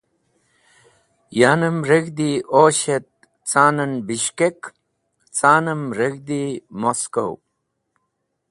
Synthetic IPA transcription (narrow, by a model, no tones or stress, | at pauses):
jaːnəmɾeɡd̪iʔoːɕet̪̚ | t͡saːnɐnbiɕkek | t͡saːnɐmɾeɡd̪imosko̰w